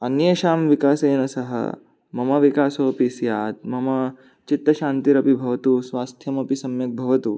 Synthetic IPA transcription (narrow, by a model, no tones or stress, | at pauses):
ɐnjɐʃaːmʋikaːseːnɐsɐɦɐ̰ | mɐmɐʋikaːsoːpisjaːt̪̚mɐmɐ | t͡ʃit̪ːɐʃaːnt̪iɾɐpibʱɐʋɐt̪uːsʋaːst̪ʰjɐmɐpisɐmjɐk̚bʱɐʋɐt̪uː